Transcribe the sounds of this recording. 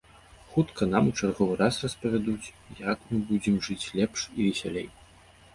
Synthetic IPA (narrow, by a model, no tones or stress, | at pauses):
xut̪kʰɐn̪amut͡ʂarɣɔvɨɾasrɐspɐvʲad̪ut͡sʲ | jakmɨbud͡zʲɛmʐɨt͡sʲlʲɛpʂivʲɛsʲalʲej